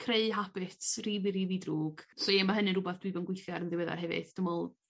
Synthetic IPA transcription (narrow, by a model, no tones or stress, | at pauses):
kʰreɨɦapɪtʰriːviɾividruːɡ̥sɔemaɦənɨɾʊbaθd̥wiɨbɔnɡwɪθjaɾənðɨwɛða̰rɦɛvɨ̰ðd̥əmɔlˠ